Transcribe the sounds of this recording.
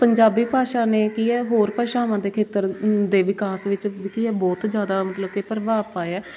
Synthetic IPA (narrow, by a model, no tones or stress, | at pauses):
pəɲd͡ʒaːbiːpaːʃaːneːkiːɛːɦoːɾpaːʃaːʋãːd̪eːkʰeːt̪əɾd̪eːʋɪkaːsʋɪt͡ʃkiːɛːbɔːt̪d͡ʒjaːd̪aːmət̪ləb̚kepəɾʋaːpaːeɛː